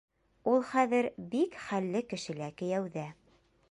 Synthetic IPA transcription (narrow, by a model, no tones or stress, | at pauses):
ulˠχæðɘɾbikχælːɘkɘ̆ʃɘ̆lækɘ̆jæwðæ